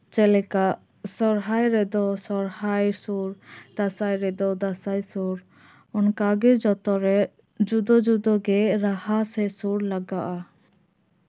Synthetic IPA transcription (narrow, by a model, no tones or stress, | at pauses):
t͡ʃɛlɛkaʔ | sɔɾɦajɾɛd̪ɔsɔɾhajsuɾd̪̥asajɾɛd̪ɔd̪asajsuɾ | ɔnkaɡɛd͡ʒɔt̪ɔɾɛ | d͡ʒud̪ɔd͡ʒud̪ɔɡɛɾahasɛsuɾlaɡaʔa